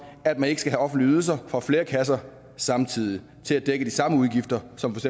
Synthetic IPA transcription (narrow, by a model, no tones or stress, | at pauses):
æd̥̚mæne̝ɡ̥əsɡ̥æɦæɒ̽fn̩dliyðˠl̩sɐfʁɑ̈fle̝ːɐkʰæs̬ɐ | sɑ̈mt͡sʰið̰ˠi | t͡sʰe̝læd̥eɡ̥əd̥isɑ̈məuðˠɡ̥ifd̥ɐsɒ̽mfɒ̥̽se